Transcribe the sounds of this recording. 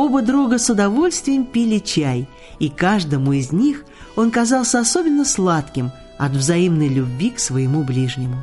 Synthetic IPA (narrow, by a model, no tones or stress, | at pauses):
o̞bəd̪ɾuɡəsʊd̪ɐvo̞lʲst̪vʲɪjɪmpʲilʲɪt͡ɕæj | ikaʐd̪əmʊɪzʲnʲix | o̞nkɐzɑlˠsʲəɐsobʲɪnːəslˠat̪kʲɪm | ɐ̰t̪vzɐimnəjlʲʊbʲvʲiksvəjɪmublʲiʐnʲɪmʊ